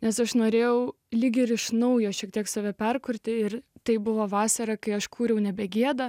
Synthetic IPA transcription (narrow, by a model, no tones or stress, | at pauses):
nʲɛsɐʃnoːɾʲeːjɛʊ | lʲiːɡʲɪɾɪʃnɐʊjoːʃʲiɛk̚t̪ʲiɛksɑːʋʲɛpʲɛrkʊɾʲt̪ʲɪɪrt̪ɐɪbʊʋoːʋɑːsɐɾɐkɐɪɐʃkʰuːɾʲɛʊnʲɛbʲɛɡʲiɛd̪ɐ